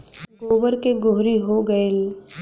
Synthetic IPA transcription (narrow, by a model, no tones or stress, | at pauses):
ɡoːʋəɾkeɡʊɦɾiɦoɡɐel